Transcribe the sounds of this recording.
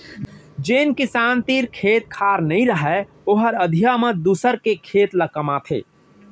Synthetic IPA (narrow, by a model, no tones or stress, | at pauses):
d͡ʒenkisant̪iɾkʰet̪̚kʰaɾnəĩɾəɦɛ | oɦəɾəd̪ʱijaməd̪usəɾkekʰet̪ləkəmat̪ʰḛ